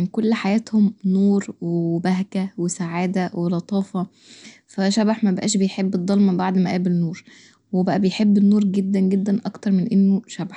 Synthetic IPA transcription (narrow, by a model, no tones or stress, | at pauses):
nkolːħajæːt̪homnuːɾwebæɦɡæwesaʕaːd̪æwelɑt̪ˤɑːfɑ | fæʃæbaħmæbebʔæ̰ːʃbejħebːed̪ˤːɑlmɑbaʕd̪mæʔæːbelnuːɾˤ | webæʔæbejħebːenːuːɾˤɡed̪ːænɡed̪ːænʔɑkt̪ɑɾˤmenʔenːoʃæbaħ